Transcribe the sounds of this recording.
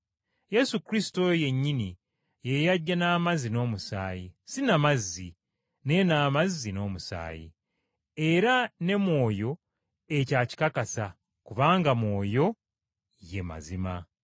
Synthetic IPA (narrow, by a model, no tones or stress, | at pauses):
je̞sukɾisi̥to̞je̞ɲːini | jejaɟːanaːmazino̞ːmusaːjisinamazːi | ne̞naːmazːino̞ːmusa̰ːjḭ | e̞ɾane̞mwo̞ːjo̞ | e̞caːci̥kakasa | kuβaːŋɡamwo̞ːjo̞ | je̞ma̰zima